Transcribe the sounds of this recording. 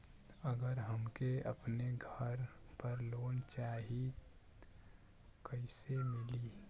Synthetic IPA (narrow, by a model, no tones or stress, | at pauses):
əɡəɾɦəmkeə̰pneɡʱəɾ | pəɾloːnt͡ʃaːɦi | kəɪsemɪliː